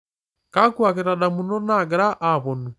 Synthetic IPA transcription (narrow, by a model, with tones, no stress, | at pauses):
ka˦kwa˨keɾa˨da˨mu˦no˦na˦˨ɡɛ˨ɾa˦ʔa˨βo˨nu˨